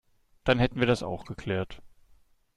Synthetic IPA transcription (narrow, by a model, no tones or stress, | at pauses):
d̥anhɛtn̩viːɐdasa̰ʊxɡ̥əkʰl̥ɛːɐt